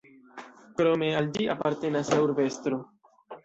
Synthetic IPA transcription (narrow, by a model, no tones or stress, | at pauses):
kɾo̞me̞ald͡ʒia̰paɾte̞nasauɾbe̞stɾo